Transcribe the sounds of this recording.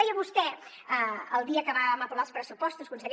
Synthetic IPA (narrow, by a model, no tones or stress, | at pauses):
ajəβust̪ɛ | əəlˠd̪iəkəβaəməpuɾalˠspɾəsupɔst̪uskunsiðeɾ